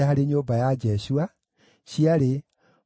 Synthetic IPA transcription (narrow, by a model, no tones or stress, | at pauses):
ahaɾeɲoːbajad͡ʒɛsua | ɕiaɾe